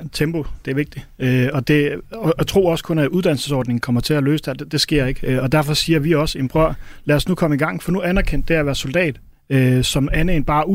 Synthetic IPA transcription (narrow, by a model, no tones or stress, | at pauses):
t͡sʰemb̥o̝d̥e̝æɐʋe̝ɡ̥̚d̥iøɒ̽d̥e̝ɒt͡sʰʁo̝̰ːɒ̽skʰɔ̽næʔuðˠd̥æn̰l̩səsɒ̰ːd̥ne̝ŋn̩kʰɒ̽mɐt͡sʰe̝ælø̰ːsd̥ed̥d̥e̝sɡ̥e̝ɐ̰e̝ɡ̥ɒ̽d̥æɐfɒ̽siːɐʋiɒ̽se̝nb̥ʁɶɐ̰læːɐsnukʰɒ̽məiɡ̥ɑ̈ŋ̰fɒ̽nuænɐkʰen̰d̥e̝æʋæːɐso̝ld̥ɛ̰ːd̥ | øsɒ̽mænenb̥ɑ̈ːu